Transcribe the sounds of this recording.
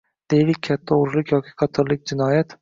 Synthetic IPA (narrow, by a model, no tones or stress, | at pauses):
d̪̥e̞jilɪk̚ʲʰat̪ʰːaoɾlˠɪkʲʰjɒkʲʰi̥qʰɑt̪ʰɒɾlɪk̚ʲd͡ʒɪnɒjat̪